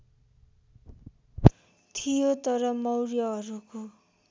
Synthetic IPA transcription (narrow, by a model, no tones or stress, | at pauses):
t̪ʰijot̪ʌɾʌmʌwrjʌʌɾuko